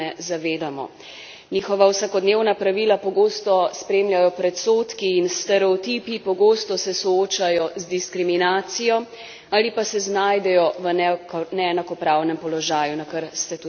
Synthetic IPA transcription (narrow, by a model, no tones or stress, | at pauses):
ɛzaʋeːd̪amɔ̰ | niːxɔʋawsakɔd̪newnapɾaʋilapɔɡoːst̪ɔspɾeːmljajɔpɾɛt̪soːt̪kiːnst̪ɛɾɛɔt̪iːpipɔɡoːst̪ɔsɛsɔoːt͡ʃajɔzd̪iskɾiminaːt̪sijɔ | aːlipasɛznaːjd̪ɛjɔʋənɛɛnakɔpɾawnɛmpɔlɔʒaːjunakəɾst̪ɛt̪u